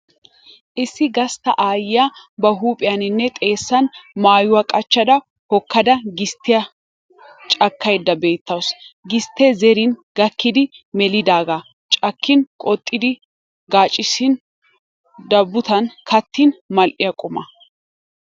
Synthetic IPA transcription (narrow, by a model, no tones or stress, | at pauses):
ʔɪsːɪɡɐst̪ɐ̰ʔaːjɪjɐbɐɦuːpʼɪjɐnɪnːɛt̪ʼe̞ːsːɐnmaːjʊwɐkʼɐt͡ʃːɐd̪ɐ | hɔkːɐd̪ɐɡɪst̪ːɪjɐ | t͡ʃʼɐkːɐjd̪ːɐbe̞ːt̪ːɐwsɡɪst̪ːezɛɾɪnɡɐkːɪd̪ɪmɛlɪd̪aːɡa | t͡ʃʼɐkʰːɪnkʼɔt̪ʼːɪd̪ɪ | ɡaːt͡ʃʼːɪsɪn | d̪ɐbːʊt̪ɐnkɐt̪ːɪnmɐlʔɪjɐkʼʊmɐ̰